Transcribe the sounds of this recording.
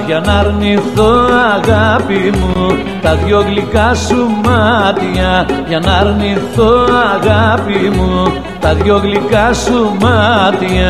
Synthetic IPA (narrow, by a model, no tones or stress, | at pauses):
ʝanɐɾniθoaɣapimu | t̪ɐðjoɣlikasumat̪iɐʝanaɾniθoaɣapimu | t̪ɐðjoɣlikasumat̪ia